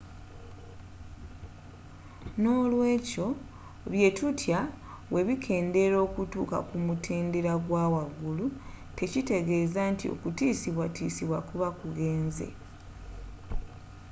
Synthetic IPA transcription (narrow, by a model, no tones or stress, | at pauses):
no̞ːlwe̞ːco̞ | βje̞tutʰja | we̞βikʰe̞ːnde̞ɾo̞ːkutuːka̰kumutʰeːndeɾaɡwaːwaɡulu | te̞cite̞ɡe̞ːzantio̞̰kutiːsiβwatiːsiβwakuβakuɡe̞ːnze̞̰